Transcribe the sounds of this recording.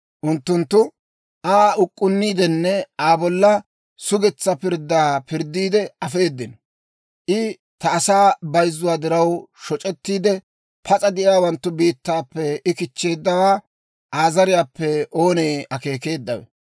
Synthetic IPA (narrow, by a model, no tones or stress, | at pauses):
ʔʊnt̪ːʊnt̪ːʊ | ʔaːʊkʼːʊnːiːd̪ɛnːɛaːbɔlːɐ | sʊɡɛt͡sːɐpɪɾd̪ːaːpɪɾd̪ːiːd̪ɛɐfe̞ːd̪ːɪn | ʔɪ | t̪ɐːsaːbɐjzːʊwaːd̪ɪɾɐwʃɔt͡ʃʼɛt̪ːiːd̪ɛ | pʰɐt͡sʼɐd̪ɪʔjaːwɐnt̪ːʊbiːt̪ːaːpːɛɪkɪt͡ʃːe̞ːd̪ːɐwaː | ʔaːzɐɾɪjaːpːɛʔo̞ːneːɐke̞ːke̞ːd̪ːɐwɛ̰